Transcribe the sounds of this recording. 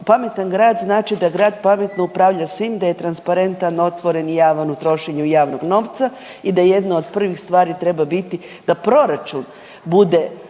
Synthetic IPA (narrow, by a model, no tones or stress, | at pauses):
pame̞t̪anɡɾaːd̪znaːt͡ʃid̪aɡɾaːd̪pame̞t̪noupɾaʋʎasʋimd̪aje̞t̪ɾanspaɾe̞nt̪ano̞t̪ʋo̞ɾe̞njaːʋanut̪ɾo̞ʃeɲujaːʋnoɡno̞ːʋt̪sa | id̪aje̞d̪nood̪pr̩ʋixst̪ʋaːɾit̪ɾe̞babit̪i | d̪̥apɾo̞ɾat͡ʃun | bud̪e